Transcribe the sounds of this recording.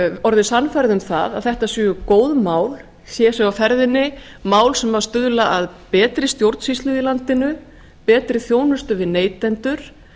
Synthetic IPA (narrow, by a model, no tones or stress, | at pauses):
ɔɾðɪsanfajɾðʏmθa̰ða̰ðθɛht̪asʏːʏkoːwðmaːwl | sjɛsɛɣafɛɾðɪnːɪ | maːwlsɛmvaɾst̪ʏðlaʔaðpɛːt̪ɾɪst̪jowɾt̪sist̪lʏðilant̪ɪnʏ | pɛːt̪ɾɪθjoːwnʏst̪ʏvɪðneːjt̪ɛnt̪ʏɾ̥